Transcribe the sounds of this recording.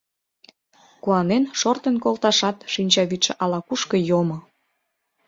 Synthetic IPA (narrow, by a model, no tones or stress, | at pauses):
kuɑnenʃort̪ənkolt̪ɑʃɑt̪ʃinʲt͡ɕɑβit̪ʃĕʔɑlɑkuʃkə̆jomŏ